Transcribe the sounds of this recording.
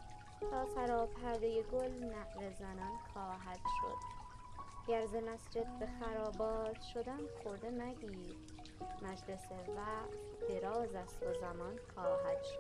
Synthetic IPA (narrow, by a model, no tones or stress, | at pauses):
t̪ʰɒːsæɾɒːpʰæɾd̪ejeɡolnæʔɾezænɒnxɒːɦæd̪̥ʃo̰d̪̥ | ɟ̥æɾzemæsd͡ʒe̞d̪̚be̞xæɾɒːbɒːz̥ʃo̞d̪ænxoɾd̪enæɟiːd̪ | mæd͡ʒle̞sevæt̪ | d̪̥eɾɒːzæst̪ozæmɒnxɒːɦæd̪̥ʃo̥